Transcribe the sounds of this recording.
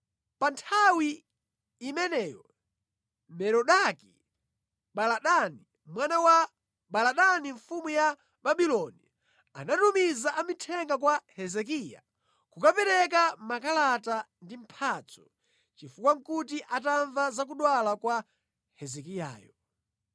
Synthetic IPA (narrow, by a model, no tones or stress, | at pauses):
pantʰawiː | mɛnɛjɔ | mɛɾɔɗaki | ɓalaɗani | mwanawa | ɓalaɗaniɱfumuja | baɓilɔni | a̰natumizaʔamitʰɛŋɡakwahɛzɛk̬iːja̰ | kukapɛɾɛkamakalata | ndim̩pʰat͡sʰɔ̥ | t͡ʃifukwaŋkutiʔataɱvazak̬uɗwalakwa | hɛzɛkija̰ːjɔ